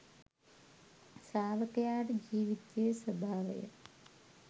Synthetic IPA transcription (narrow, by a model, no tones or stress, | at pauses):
saːʋɐkɐjaːʈd͡ʑiːʋitːeːsɐbʱaːʋɐ̰jɐ̰